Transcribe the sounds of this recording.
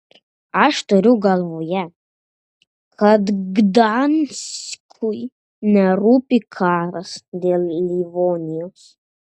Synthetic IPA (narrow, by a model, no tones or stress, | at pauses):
ɐʂt̪oɾʲuɡɐlˠvoːjɛ | kʰɐd̪ɡd̪anskʰuj | nʲɛɾuːpʲikʰaːɾɐsd̪ʲeːlˠlʲivonʲijoːs